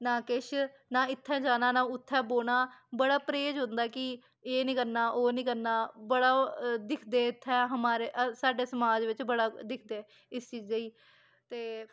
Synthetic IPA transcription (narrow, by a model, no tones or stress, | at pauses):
nãːkɪʃ | nãːɪt̪ʰːɛ̃ːd͡ʒaːnaːnãːʊt̪ʰːɛ̃ːboːnaːbəɽaːpɾeːd͡ʒɦʊ̃nd̪aːkɪ | eːnĩːkəɾnaːʔoːnĩːkəɾnaːbəɽaːd̪ɪkʰd̪eːɪt̪ʰːɛ̃ːɦəmaːɾeːʔsaːɖeːsəmaːd͡ʒʋɪt͡ʃbəɽaːd̪ɪkʰd̪eː | ɪst͡ʃiːd͡ʒd͡ʒaːiː | t̪eː